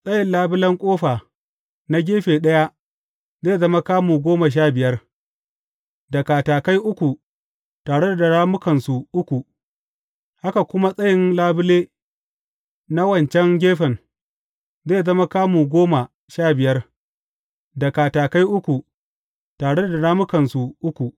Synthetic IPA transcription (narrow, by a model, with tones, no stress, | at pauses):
sʼɐ˦jɪ˨nlaː˦bʊ˦lɐ˦ŋkʷʼoː˦ɸaː˨ | na˦ɡʲeː˦ɸeː˨ɗɐ˦ja˦ | zeː˦jzɐ˦ma˦kaː˦muː˨ɡʷoː˦ma˨ʃ̬aː˦˨bɪ˨jɐ˦r | da˨kaː˨taː˨ka˦jʔʊ˦kʷu˨ | taː˨ɽe˦da˨da˨ɽaː˦mʊ˦kɐ˨nsu˨ʔʊ˦kʷu˨ | ha˦ka˨kʷʊ˦ma˦sʼɐ˦jɪ˦nlaː˦bʊ˦leː˦ | na˦wɐ˨nt͡ʃɛ˦ŋɡʲeː˦ɸɛ˨n | zeː˦˨zɐ˦ma˦kaː˦muː˨ɡʷoː˦ma˨ | ʃaː˦˨bɪ˨jɐ˦r | dɐ˨kaː˨taː˨ka˦jʔʊ˦kʷu˨ | taː˨ɽe˦da˨da˨ɽaː˦mʊ˦kɐ˨nsu˨ʔʊ˦kʷu˨ʔ